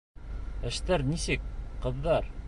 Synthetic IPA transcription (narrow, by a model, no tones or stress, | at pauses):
ɘ̆ʃt̪æɾnisɘkqɤ̆ðːɑɾ